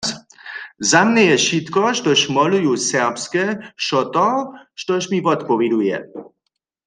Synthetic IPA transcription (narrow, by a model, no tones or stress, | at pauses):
zamnɛjɛʃit̪kɔʃtɔʃmɔlujusɛʁpskɛʃɔt̪ɔʃtɔʃmivɔt̪pɔʋid̪ujɛ̰